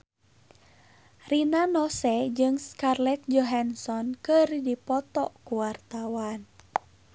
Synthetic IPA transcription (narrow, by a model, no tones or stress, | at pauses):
rinanɔsɛd͡ʒɨŋskarlɛt̪̚d͡ʒɔɦansɔnkɨrdipɔt̪ɔ̰kuwart̪awan